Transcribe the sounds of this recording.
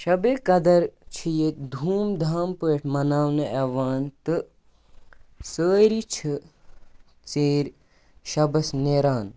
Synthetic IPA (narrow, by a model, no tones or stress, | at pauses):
ʃɐbeːkɐd̪ɐɾt͡ʃʰijet̪̚d̪ʱuːmd̪ʱaːmpəːʈʰmɐnaːwnɐʔɛʋaːnt̪ɨ | səːɾit͡ʃʰɨ | t͡seːɾʲ | ʃɐbɐsneːɾaːn